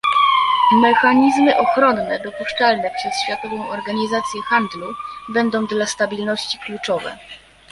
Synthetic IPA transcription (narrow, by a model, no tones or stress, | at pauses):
mɛxaɲizmɘʔɔxɾɔnːɛd̪ɔpuʂt͡ʂalnɛpʂɛsɕfʲjat̪ɔvɔ̃w̃ɔɾɡaɲizat̪sʲjɛxand̪lubɛnd̪ɔ̃w̃d̪last̪abʲilnɔɕt͡ɕi̥klut͡ʂɔvɛ̰